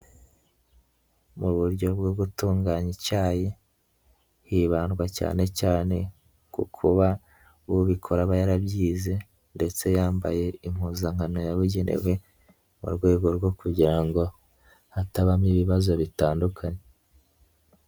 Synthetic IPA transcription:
muβuɾɟo̞bɡoɡutuːŋɡaɲicaːje | hiːβaːnɡwaca̰ːne̞caːne̞ | kṵkʰuβa | wuβikʰo̞ɾaβajaɾabɟiːze̞ | nde̞t͡se̞jaːmba̰je̞im̥huzaŋ̥ano̞jaβuɟe̞nʔḛwe̞ | mṵɾɡwe̞ːɡo̞ɾɡwo̞kuɟiɾaŋɡo̞ | hataβamiβiβazo̞βitaːndukʰaɲe

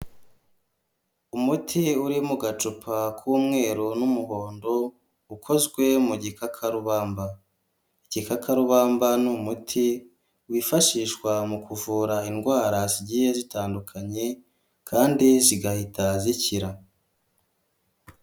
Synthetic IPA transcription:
umutʰiuɾimuɡat͡ʃupʰakʰuːmŋe̞ːɾunumuho̞ːndo̞ | ukʰo̞zɡwe̞muɟikakʰaɾuβaːmba | iɟ̥ikakʰaɾuβaːmbanumutʰi | wifaʃiːʃkwamukuvuːɾainɡwaːɾaziɟijezitaːndukʰaɲe̞ | kʰaːndiziɡahitaziciɾa

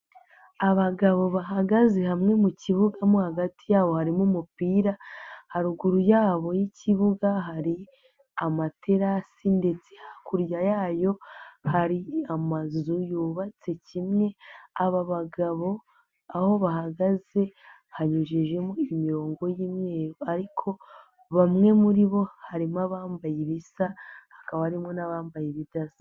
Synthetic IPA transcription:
aβaɡaβo̞βaɦaɡaze̞hamŋe̞muciβuɡamohaɡatijaːβo̞haɾimumupiːɾahaɾuɡuɾujaːβo̞jiciβuɡaɦaɾi | amatʰe̞ɾasinde̞t͡se̞hakuɾjajaːjo̞haɾiamazujuːβat͡se̞cimŋe̞aβaβaɡaβo̞ | aho̞βaɦaɡaze̞ | haɲuʒeʒe̞moimiɾo̞ːŋɡo̞jimŋeːɾoaɾikʰo̞ | βamŋe̞muɾiβo̞haɾimaβaːmbajeβisahḁkaβahaɾimŋo̞naβaːmbajeβidazḁ

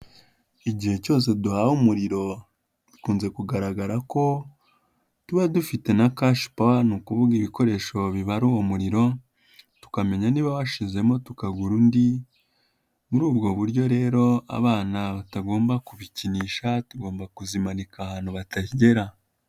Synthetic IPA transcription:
iɟihe̞co̞ːs̬e̞duhaumuɾiɾo̞ | dikuːnze̞kuɡaɾaɡaɾako̞ | tuβadufite̞nakaʃi̥pawanuːkuβuɡiβiko̞ɾe̞ːʃo̞βiβaɾuwomuɾiɾo̞ | tu̥kame̞ɲaniːβaβaʃize̞mo̞tukaɡuɾundi | muɾuːbɡo̞βuɾɟo̞ɾe̞ːɾo̞a̰βaːnaβataɡo̞ːmbakuβiciniːʃatuɡo̞ːmbakuzimanikahaːn̥huβatahiɟe̞ɾa

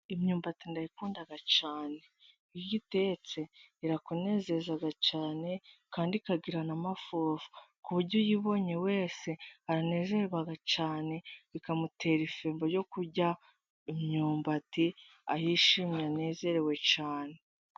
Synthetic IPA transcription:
imɲuːmbatindajikuːndaɡat͡ʃaːne̞ | ijiɡite̞t͡se̞iɾakune̞ːze̞zaɡat͡ʃaːne̞kaːndikaɡiɾanamafoːvu̥kuβuɾɟojiβo̞ɲe̞we̞ːse̞aɾane̞ːze̞ɾeβwaɡat͡ʃaːne̞βikamute̞ːɾifeːmbojo̞kuɾɟa | imɲuːmbati | a̰jiːʃimjane̞ːze̞ɾewe̞t͡ʃaːne̞

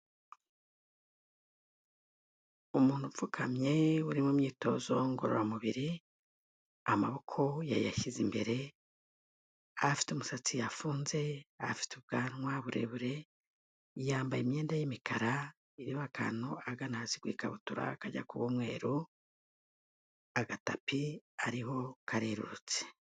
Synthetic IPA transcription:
umuːn̥huvukʰamɲe̞uɾimumɲiːto̞̰ːzo̞ŋɡo̞̰ɾoɾamuβiɾi | amaβo̞kʰo̞jajaʃizimbe̞ɾe̞ | afi̥tomusat͡sijafuːnze̞a̰fi̥tuβ̚ɡaːnwaβuɾʔe̞̰βuɾe̞ | jaːmbajemje̞ːndajemikʰaɾa | iɾiβakʰa̰noaɡanaziɡwḭːkaβutuɾa̰kaɟa̰kuβumŋe̞̰ːɾu | aɡatapiaɾiɦo̞kʰaɾeɾṵɾut͡se̥

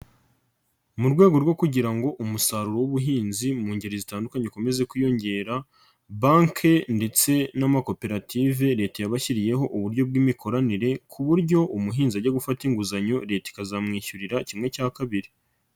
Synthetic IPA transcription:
muɾɡwe̞ːɡo̞ɾɡo̞kuɟiɾaŋɡo̞ʔumusaɾuɾowuβuɦiːnzimuːɲɟeɾizitaːndukaɲekome̞ze̞kujo̞ɲɟe̞ːɾa | baːŋkʰende̞t͡se̞namako̞pe̞ɾatʰive̞ɾe̞ːtejaβaçiɾije̞ɦo̞ʔuβuɾɟo̞b̚ɡwiːmikʰo̞ɾaniɾe̞kʰuβuɾjɟo̞ʔumuɦiːnziaɟeɡufatiŋɡuzaɲo̞ɾe̞ːti̥kazamŋiːçuɾiɾacimŋe̞caːkaβiɾi

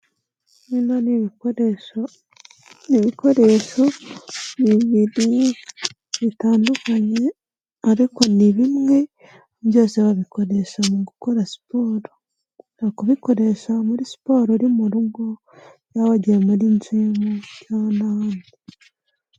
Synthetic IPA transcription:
ninan | niβiko̞ɾeʃoβiβiɾi | βitaːndukaɲe̞ | aɾiko̞niβimŋe̞ | βjo̞ːseβaβiko̞ɾe̞ʃamuɡuko̞ɾasi̥poːɾo | akuβiko̞ɾe̞ʃamuɾisi̥po̞ːɾoɾimuɾuɡo | jaβaɟemuɾint͡ʃiːmojanandi

